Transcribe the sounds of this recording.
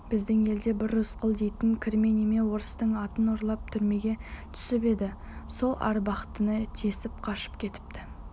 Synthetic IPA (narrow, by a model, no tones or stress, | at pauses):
b̥ɪzd̪ɪŋe̞ld̪e̞bɪɾʊsqəlˠd̪ejt̪ɪŋkʲʰɪɾme̞neme̞wo̞ɾəst̪əɴɑt̪ənʊɾlˠɑp̚t̪ʰʏɾme̞ɡʲe̞t̪ʰʏ̥sɪbe̞d̪ɪ | so̞lˠʔɑ̰ɾbɑqt̪ənət̪ʰe̞sɪp̚qʰɑʃə̥p̚kʲʰe̞t̪ɪ̥p̚t̪ɪ